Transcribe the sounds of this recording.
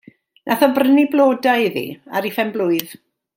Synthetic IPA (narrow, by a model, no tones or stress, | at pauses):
nʔaθɔbrəniblˠoːdaɪðḭa̰ɾifɛmblʊɨð